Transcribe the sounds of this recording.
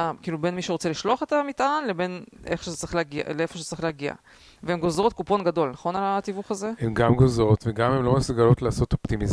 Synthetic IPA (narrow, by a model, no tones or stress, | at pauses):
akiːlube̞nmiʃeʁot͡se̞liʃlo̞aχet̪amit̪ʔanle̞be̞nʔefoʃezet͡sʁiχleːɡia̰leefo̞ʃezet͡saʁiχleːɡia̰ | veemɡo̞zʁo̞t̪̚kupo̞nɡad̪o̞lnaχo̞nalat̪ivuχaze̞emɡamɡozʁo̞t̪veɡamemlo̞mesuɡalo̞t̪laːso̞t̪o̞pt̪imiz